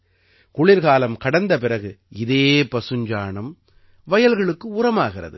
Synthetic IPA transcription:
kʊɭɪɾɣaːlɐmkɐɽɐnd̪ɐp̬ɪrɐɣɯɪðeːpɐsɯɲd͡ʒaːɳɐm | ʋɐjɐlɣɐɭɯkːɯʊrɐmaːɣɪrɐ̰ðɯ̰

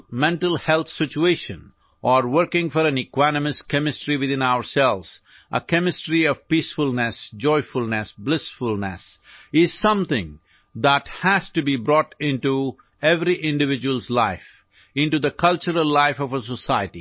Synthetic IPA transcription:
mɛ̃nʈəl̩ˠhɛlˠt̪sɪt͡ʃueːʃə̃n | ʔɔɾwəɾkɪ̃ŋfɔɾæ̃nɨkwænəmɨskɛmɪstʈɾiwɪðɪ̃naʊəɾsɛlʋz̥ | ʔə̰kɛmɪsʈɾiɔv̥piːsfʊlnɛsd͡ʒɔɪfʊlnɛsblɪsfʊlnɛ̰sɪz̥sʌ̃mt̪ɪ̃ŋ | d̪æʈhæzʈubibɾɔːʈɪ̃nʈu | ɛvɾiʔɪ̃nɖɪvɪd͡ʒuəlˠzlaɪf | ɪ̃nʈud̪əkʰʌlt͡ʃəɾəlːaɪfɔvəs̬əsaɪəʈḭ

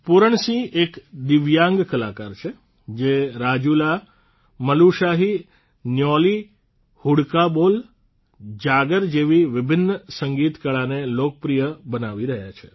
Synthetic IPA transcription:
puɾəɳsĩʔekd̪ɪʋjãŋɡkəlakaɾt͡ʃʰe | d͡ʒeɾad͡ʒula | məluʃaɦi | njɔli | huɽkabol | d͡ʒaɡəɾd͡ʒeʋiʋɪbʱɪnːsəŋɡit̪kəɭanelok̚əpɾijəbənaʋiɾəɦjat͡ʃʰe

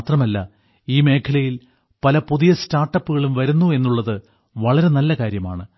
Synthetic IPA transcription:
t̪rɐmɐlːɐ | iːme̞ːkʰɐlɐjil | pɐlɐpoðijɐstaːrʈːɐpːuɣɐɭumʋɐɾunːue̞nːuɭːɐðɨ | ʋɐɭɐɾe̞nɐlːɐkaːɾjɐma̰ːɳɨ

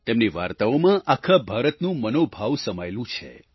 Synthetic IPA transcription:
t̪emniʋa̰ɾt̪aomãʔakʰabʱaɾət̪nũmənobʱaʋsəmajlũt͡ʃʰḛ

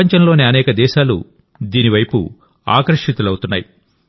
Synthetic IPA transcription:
ɐɲt͡ʃɐnlo̞ːniɐnɛːkɐd̪ɛːʃaːlṵ | d̪iːniʋɐjpṵ | a̰ːkɐɾʂit̪ulɐwut̪unːaːji

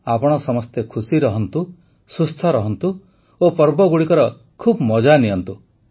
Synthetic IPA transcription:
apɔɽ̃ɔsɔmɔst̪jekʰusiɾɔɦɔnt̪u | sust̪ʰɔɾɔɦɔnt̪u | opɔɾbɔɡuɽikɔɾɔ | kʰubmɔd͡ʒaniɔnt̪u

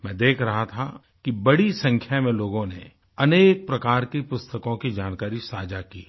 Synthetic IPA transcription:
mɛ̃ːd̪eːkʰɾɐɦat̪ʰa | kibɐɽisɐ̃ŋkʰjamẽloːɡõne | ɐneːk̚pɾɐkaːɾkipʊst̪əkõkid͡ʒaːnkaːɾisaːd͡ʒakiː

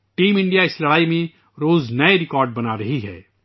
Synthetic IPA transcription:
ʈiːmɪ̃ɳɖijaɪslɐɽaːimẽ | ɾoːznɐeɾɪkɔːɾɖ̚bɐnaɾɐɦiɦɛ̰ː

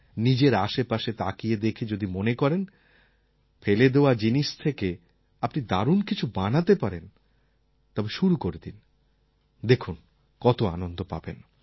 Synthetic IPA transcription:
nid͡ʑeɾaʃepaʃet̪akied̪ekʰed͡ʑod̪imonekɔɾen | feled̪eoad͡ʑiniʃt̪ʰeke | apnid̪aɾunkit͡ɕʰubanat̪epaɾen | t̪ɔbeʃuɾukoɾed̪in | d̪ekʰun | kɔt̪oa̰nond̪ʱopa̰bḛn

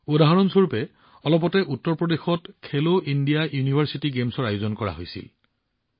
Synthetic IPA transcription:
odaɦaɹɔnsoɹupɛ | ɔlɔpɔtɛʔutːɔɹpɹɔdexɔtkʰeloʔindijajunibʱaɹsitiɡemsɔɹajʊzɔnkɔɹa̰ɦojsḭl

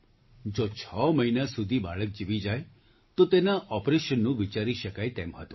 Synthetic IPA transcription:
d͡ʒot͡ʃʰɔməinasud̪ʱibaɭək̚d͡ʒiʋid͡ʒaj | t̪ot̪enaʔɔpɾeʃənːũʋit͡ʃaɾiʃəkajt̪emɦət̪ũ

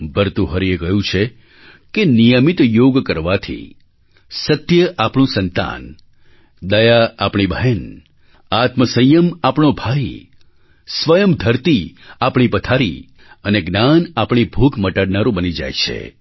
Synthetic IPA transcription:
bəɾt̪uɦəɾiekəɦjũt͡ʃʰe | kenijəmit̪joɡkəɾʋat̪ʰḭ | sət̪jəʔapɳ̃ũsənt̪a̰n | d̪əjaapɳ̃ibʱəɦən | at̪məsə̃jəmapɳobʱai | sʋəjəmd̪ʱəɾt̪iapɳ̃ipət̪ʰaɾḭ | əneɡnanapɳ̃ibʱukʰməʈaɽnaɾũbənid͡ʒa̰jt͡ʃʰḛ

